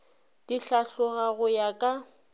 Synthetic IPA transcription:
d̥iɬaɬʊɣaɣʊjakʼa

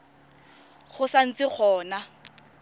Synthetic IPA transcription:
χʊsan̩t͡sɪk͡xʰɔːna

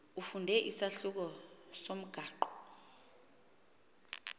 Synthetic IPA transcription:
ufundʱɛʔisaɬuk̬ɔsom̩ɡ̥ʱaːǃɔ̥

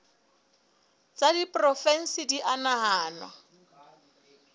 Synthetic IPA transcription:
t͡sʼadipʼrɔfɛn̩sɪdiʔanaɦaːnwa̰

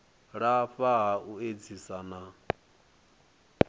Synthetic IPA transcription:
ɺaɸaɦaued͡zʰisana

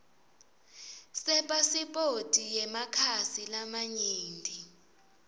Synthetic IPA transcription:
sɛɓʼasiɓʼotʼijɛmakʰasilamaɲiːndʱi

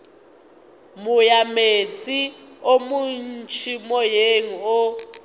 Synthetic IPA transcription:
mujamet͡sʼiomun̩t͡ʃʰimɔjeŋ̩ɔ

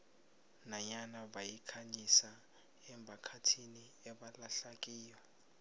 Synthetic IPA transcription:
naɲanaɓajikʰaɲisa | ɛmbʱakʰatʰiniɛɓalaɬak̬ʼiːjwa

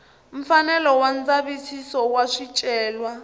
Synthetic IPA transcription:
ɱ̩fanɛlɔwand͡zaβisisɔwaʂit͡ʃʼɛːlwa

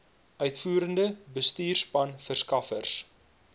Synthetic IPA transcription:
œɥtfuːɾəndəbəstiːrspɐnfərskɐfərs

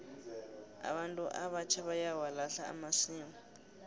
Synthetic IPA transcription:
a̰ɓantʼuʔa̰βat͡ʃʰaβajawalaɬa̰ːmasiːmu

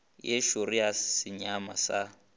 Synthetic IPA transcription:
jeʃoriasɪɲamasa

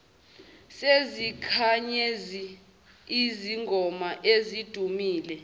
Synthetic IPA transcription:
sezikʰaɲezi | iziŋɡʱɔmaʔezid̥ʱumiːlɛ

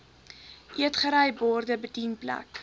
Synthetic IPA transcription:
ʔiətχəɾɛjbɔːrdəbədinplæ̰k

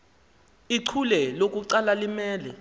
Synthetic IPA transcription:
iǀʰulɛlok̬ʼuǀalalimɛːlɛ

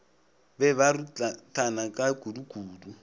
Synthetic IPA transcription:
bɛβarutʼanakʼaɡ̥uduɡ̥ʱuːdu

